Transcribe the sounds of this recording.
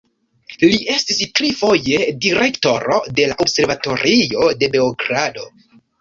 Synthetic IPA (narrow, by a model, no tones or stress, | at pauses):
liʔe̞stistɾifo̞je̞diɾe̞kto̞ɾo̞̰de̞laʔobse̞ɾvato̞ɾio̞de̞be̞oɡɾado̞̰